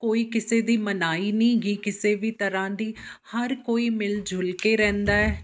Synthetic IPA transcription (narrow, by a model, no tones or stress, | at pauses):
koːiːkɪseːd̪iːmənaːiːnĩːɡiːkɪseːʋiːt̪əɾãːd̪iːhəɾkoːiːmɪld͡ʒʱʊlkeːɾɛ̃ːnd̪aːɛː